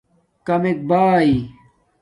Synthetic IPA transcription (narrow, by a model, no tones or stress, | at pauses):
kɐmek̚baːi